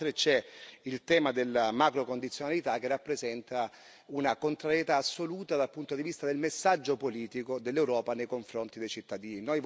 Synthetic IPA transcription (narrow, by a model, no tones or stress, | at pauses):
t̪ɾet͡ʃɛilt̪ɛːmad̪elːamakɾokond̪it̪sjonalit̪ak̟ːerːapːɾezɛnt̪a | unakont̪ɾaɾjet̪aːsːoluːt̪ad̪alpunt̪od̪ivist̪ad̪elmesːad͡ʒːopoliːt̪ikod̪elːewɾɔːpanejkoɱfɾont̪id̪ejt͡ʃit̪ːad̪iːninoj